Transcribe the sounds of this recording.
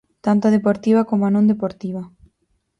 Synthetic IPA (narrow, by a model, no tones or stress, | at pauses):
t̪ant̪aðepoɾt̪iβɐkomoanõnd̪epoɾt̪iβɐ